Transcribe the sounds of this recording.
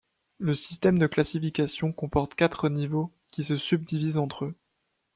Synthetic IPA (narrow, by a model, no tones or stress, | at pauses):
ləsist̪ɛmd̪əklasifikʲasjɔ̃kɔ̃pɔʁt̪kʲat̪χənivo | kʲisəsyb̚d̪ivizɑ̃t̪χø